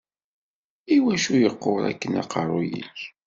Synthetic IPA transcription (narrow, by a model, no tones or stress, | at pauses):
iwæʃujəqːoɾˤæ̰kːənɑ̰qərˤːojḭç